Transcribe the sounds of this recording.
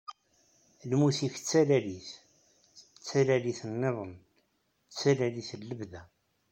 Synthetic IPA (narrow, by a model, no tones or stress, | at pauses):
lmuθiç̥t͡sːælæliθ | t͡sːælæliθənːeðˤən | t͡sːælæliθəlːəbðæ